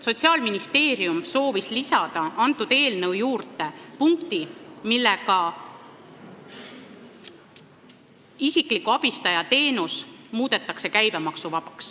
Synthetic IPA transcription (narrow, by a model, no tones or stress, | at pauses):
so̞t̪ʲsiɑːlminist̪e̞ːɾijumso̞ːvislisɑd̪̥ɑɑnt̪ːˑud̪̥e̞ːlne̞wjuːrt̪e̞puŋkt̪imilːeɡɑ | isikˑlikːˑuɑb̥ist̪ɑjɑt̪e̞ːnusmuːd̪̥e̞t̪ːˑɑkse̞kæjb̥emɑksuvɑb̥ɑks